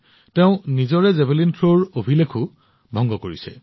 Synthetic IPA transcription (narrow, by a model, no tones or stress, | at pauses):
tɛ̃ʊ̃nizɔɹɛzɛbelintʰɹoɹobʱilekʰu | bʱɔŋɡɔkoɹisɛ̰